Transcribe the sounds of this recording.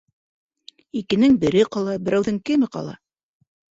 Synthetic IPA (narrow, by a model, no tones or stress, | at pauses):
ikɘ̆nɘŋbɘ̆ɾɘqɑlˠɑbɘ̆ɾæwðɘŋkɘmɘ̆qɑ̰lˠɑ̰